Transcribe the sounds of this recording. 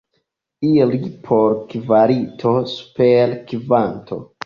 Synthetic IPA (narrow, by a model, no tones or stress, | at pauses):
ilipʰoɾkvaɾitʰo̞su̥peɾkvantʰo̞̰